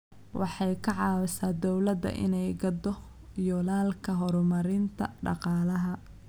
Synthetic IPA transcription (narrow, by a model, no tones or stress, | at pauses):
wʔɑħɑjkʰɐʕɑːwɐsaːd̪ɔwlɐd̪ɐ̰ʔɪ̰nɛjɡɐd̪ɔ | jɔlaːlkʰɐɦɔɾɔmɐɾɪnt̪ʰɐɖɑ̰qɑːlɐɦɐ